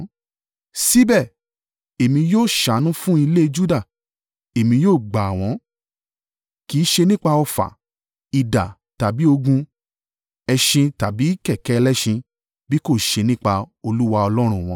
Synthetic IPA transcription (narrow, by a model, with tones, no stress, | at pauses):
si˦bɛ˦˨ | e˨mĩ˧joː˦˨ʃa˨˦nũ˨˦fũ˦i˧le˦˧d͡ʒu˦da˦˨ | e˨mĩ˧joː˦˨ɡ͡ba˨w̃ɔ̃˨˦ | ki˨˦ʃe˧nĩ˦k͡pa˧ɔ˧fa̰˨ | i˨da˨ | ta˨bi˨˦o˧ɡũ˧ | ɛ˧ʃĩ˧ta˨bi˨˦kɛ˦˨kɛ˨˦˧lɛ˦ʃĩ˧ | bi˦ko˦˨ʃe˧nĩ˦k͡pa˧o˧lu˦wa˧ɔ˧lɔ˦ɾ̃ũ˧˨w̃ɔ̃˧